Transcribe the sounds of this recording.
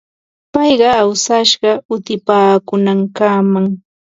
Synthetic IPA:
pɑjɢɑawsaʃɢɑʊt̪ɪpaːkʊnaŋkamaŋ

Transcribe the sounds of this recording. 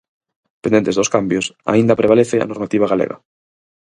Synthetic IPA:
pend̪ent̪eðoskambjosa̰ĩnd̪apɾeβ̞aleθea̰noɾmat̪iβ̞aɣalḛɣa̰

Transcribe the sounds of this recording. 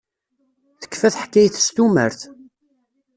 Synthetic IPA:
θə̥kːfæθħkːæjθə̥st̪umə̰ɾθ

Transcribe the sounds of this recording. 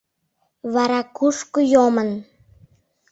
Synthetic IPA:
βɑɾɑkuʃkojomən

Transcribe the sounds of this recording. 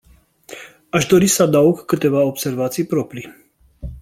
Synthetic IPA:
aʃd̪o̞ɾisəad̪auɡkɨt̪e̞vaobse̞rvat̪sijpɾo̞pɾi

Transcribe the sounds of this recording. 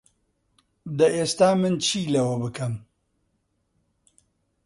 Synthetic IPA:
d̪ɐʔeːst̪aːmɨnt͡ʃʰiːlɐwɐbɨkʰɐm

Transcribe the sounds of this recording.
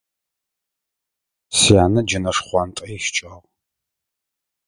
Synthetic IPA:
sijaːnɐd͡ʒɪnɐʂχʷɑntʼɐjʃt͡ʃʼɐʁ

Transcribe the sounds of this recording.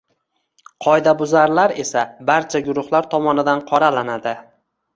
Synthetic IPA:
qʰɒjd̪abʊzaɾlaɾe̞sabaɾt͡ʃʰaɡʊɾʊχlaɾt̪ʰɒmɒnɪd̪anqʰɒɾalanad̪ɪ

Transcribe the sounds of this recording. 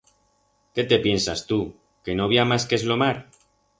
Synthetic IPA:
ke̞t̪e̞pje̞nsast̪u | ke̞noβiamaskezlo̞maɾ

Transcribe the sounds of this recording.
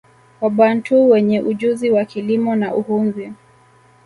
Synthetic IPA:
waɓantʰuwɛɲɛʔuʄuziwakilimɔnaʔuhunzi

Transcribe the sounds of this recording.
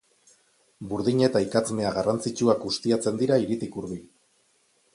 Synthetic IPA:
buɾðiɲe̞t̪aikat͡sme̞aɣarant͡sit͡ʃuakɡust̪iat͡se̞nd̪iɾaiɾit̪ikuɾβil

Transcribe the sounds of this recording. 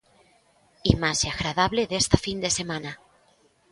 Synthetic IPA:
imaseaɣɾað̞aβleðest̪afind̪e̞se̞mana

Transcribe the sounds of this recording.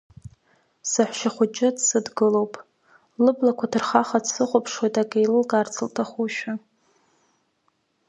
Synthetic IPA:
sɨħʷᶣʃaχʷʊt͡ʃʼɪdsɨdɡɨlowpʼ | lɨblakʷʰatʰɨrχaχadsɨχʷʊpʰʂwejtʼaɡʼajlɨlɡʼart͡sʰɨltʰaχʷuʃᶣa

